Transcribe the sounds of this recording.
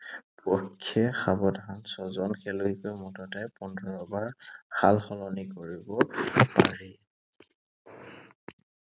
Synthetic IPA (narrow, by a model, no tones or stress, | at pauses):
pɔkʰːɛxabɔtansɔzɔnxʰɛluikɔjmɔtɔtajpɔndʱɔɹɔbaɹxalxɔlɔnikoɹibɔpa̰ɹi